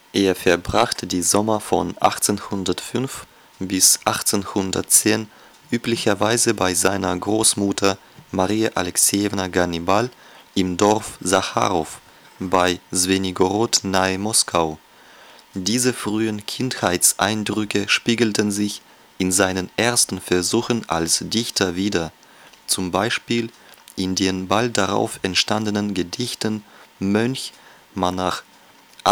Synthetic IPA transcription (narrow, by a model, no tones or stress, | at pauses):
ʔeːɐfɛɐbʁaχtʰədiːzɔmɐfɔ̰nʔa̰χt͡senhʊndɐtfʏnf | b̥ɪsʔaχt͡senhʊndɐ̰tt͡seːn | ʔyːplɪçɐvaɪzəbaɪzaɪnɐɡʁoːsmutʰɐ | maʁiːaʔalɛksiɛvnaɡanibal | ʔɪmdɔɐfzaxa̰ːʁɔf | baɪzveniɡoʁɔtnamɔskʰaʊ | diːzəfʁ̥yːənkʰɪnthaɪtsʔa̰ɪndʁʏkəʃpiːɡl̩tʰənzɪç | ʔɪnzaɪnənʔeːɐstn̩fɛɐzuːxənʔa̰lsd̥ɪçtʰɐviːdɐ | t͡sʊmbaɪʃpiːlʔɪndeːnbalt̚d̥aʁa̰ʊfɛntʃtandənənɡədɪçtənmœnç | mana